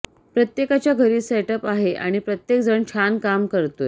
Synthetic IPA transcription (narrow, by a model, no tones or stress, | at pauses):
pɾət̪jekat͡ɕjaɡʱəɾiːseʈəpaɦeʔa̰ɽ̃ipɾət̪jek̚d͡zəɳt͡ɕʰankamkəɾt̪o